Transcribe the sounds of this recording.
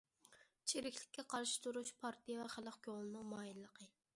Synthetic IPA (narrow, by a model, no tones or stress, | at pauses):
t͡ʃʰeɾɪkʲlɪkʲːɛqʰɑɾʃɪ̥t̪ʰuɾuʃpʰɑɾt̪ʰijɛvɛχælˠɑqkʰʲoŋlˠɨnɨŋmɑːjilːəqʰə